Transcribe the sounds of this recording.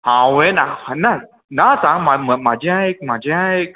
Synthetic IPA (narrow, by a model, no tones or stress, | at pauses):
hãwenãhanã | nãtãmãmmãd͡ʒãekmãd͡ʒãek